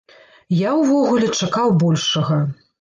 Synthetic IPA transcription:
jawvɔɣulʲɛt͡ʂakawbɔlʲʂɐɣɐ

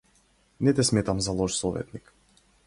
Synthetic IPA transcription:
nɛt̪ɛsmɛt̪amzalˠɔʃsɔvɛ̰t̪nik

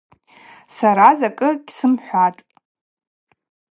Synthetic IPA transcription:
saɾazakʼɨɡʲsɨmħʷatʼ

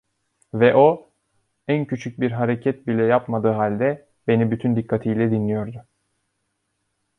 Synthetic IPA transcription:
vɛʔo̞ | æncʰyt͡ʃʰyc̚biɾɦaɾecʰɛt̪̚bilʲɛjapmad̪ɯːɦalʲd̪ɛ | be̞nibyt̪ʰynd̪ikʰːat̪ʰijlʲɛd̪inlʲijo̞ɾd̪ʊ

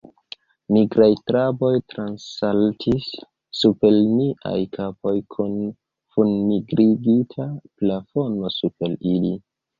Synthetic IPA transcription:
miɡɾajtɾabo̞jtɾansaltʰisː | upe̞lniʔa̰jkʰapo̞jkʰun | funːiɡɾiɡitʰaplafo̞no̞supe̞lili

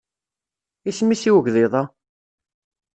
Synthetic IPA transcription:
ismisiwəʝðɪðˤɑ

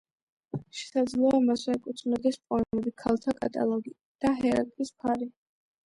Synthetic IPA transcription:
ʃɛ̥sad̪zlɔamaswɛɛkʼut̪sʰnɔd̪ɛspʼɔnmɛbikʰalˠt̪ʰakʼa̰t̪ʼa̰lˠɔɡi | d̪̥aɦɛɾa̰ɾk̪ʼispʰaɾi

